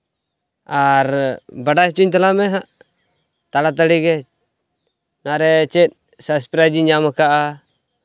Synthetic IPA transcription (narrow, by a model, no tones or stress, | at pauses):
aɾbaɖajt͡ʃuɲt̪alamɛɦaʔ | t̪alat̪̬aɽiɡɛ | naɾɛt͡ʃɛt̪̚ˀ | saspɾad͡ʒiɲamakaʔa